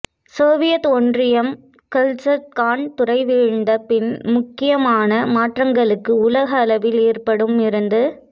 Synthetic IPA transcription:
soːʋɪjɐt̪ɔndrɪjɐm | kɐlsɐt̪̚kaːɳt̪ʊrɐɪʋiːɻnd̪ɐpɪnmʊkːɪjɐmaːnɐmaːʈrɐŋɡɐɭɯkːɯʊlɐɣɐːlɐʋɪleːrpɐɽɯmɪɾɯnd̪ɯ

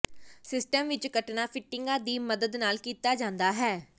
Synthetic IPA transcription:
sɪsʈəmʋɪt͡ʃkəʈnaːpʰɪʈːɪŋɡaːd̪iːməd̪əd̪naːlkiːt̪aːd͡ʒãːnd̪aːɦɛː

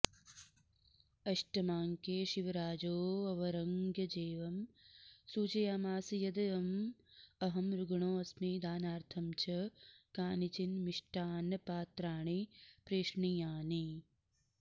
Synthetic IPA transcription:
ɐʃʈɐmaːŋkeːʃiʋɐɾaːd͡ʒoːɐʋɐɾɐŋɡjɐd͡ʒeːʋɐmsuːt͡ʃɐjaːmaːsijɐd̪ɐjɐm | ɐɦɐmɾuɡɐɳoːɐsmiːd̪aːnaːɾt̪ʰɐmt͡ʃʰɐkaːnit͡ʃinmiʂʈaːnɐpaːt̪ɾaːɳ̃ipɾeːʂɳijaːni

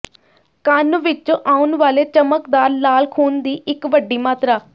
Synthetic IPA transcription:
kənʋɪt͡ʃoʔaːunʋaːleːt͡ʃəməkd̪aːɾlaːlkʰuːnd̪iːʔɪkʋəɖːiːmaːt̪ɾaː

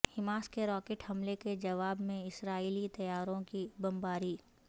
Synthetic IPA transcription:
hɪmaːskeɾɔːkeːʈhɐmleked͡ʒɐʋaːbmẽɪsɾaːiːlit̪ɐjaːɾõkibɐ̃mbaːɾiː

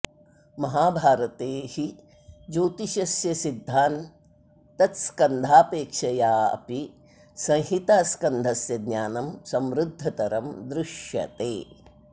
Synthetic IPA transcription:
mɐɦaːbʱaːɾɐt̪eːhi | d͡ʒuːt̪iʃɐsjɐsid̪ʱːaːn | t̪ɐt̪skɐnd̪ʱaːpeːkʂɐjaːɐ̰pi | sɐ̃ŋ̃hit̪ɐskɐnd̪ʱɐsjɐd̪ɲaːnɐmsɐmɾud̪ʱːɐt̪ɐɾɐmd̪ɾɪʃjɐ̰t̪eː

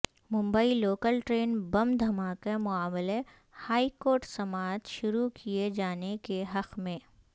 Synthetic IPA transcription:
mʊ̃mbəiloːkəlʈɾeːnbɐmd̪ʱɐmaːkemʊaːmle | haːikoːɾʈsɐmaːt̪ʃʊɾukʰied͡ʒaːnekeɦɐqmẽː

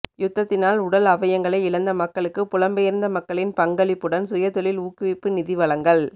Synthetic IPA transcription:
jʊt̪ːɐt̪ːɪnaːlʊɽɐlɐʋɐjɐŋɡɐɭɐɪɪlɐnd̪ɐmɐkːɐɭɯkːɯpʊɻɐmbɐjɪɾɯnd̪ɐmɐkːɐɭɪnpɐŋɡɐɭɪpːɯɽɐnsʊjɐt̪ːɔɭɪluːkːɯʋɪpːɯnɪðɪʋɐɭɐŋɡɐɭ

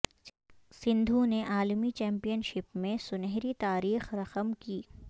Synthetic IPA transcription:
sɪ̃nd̪ʱũneʔaːlmit͡ʃɛ̃ːmpijənʃɪpmẽsʊnɛɦɾit̪aːɾiːxɾɐqəmkiː

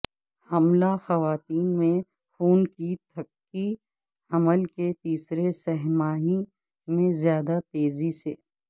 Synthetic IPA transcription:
hɐmlaxɐʋaːt̪iːnmẽ | xuːnkit̪ʰɐkːi | ɐməlket̪iːsɾesɛɦmaːɦi | mẽzjaːd̪at̪eːziseː

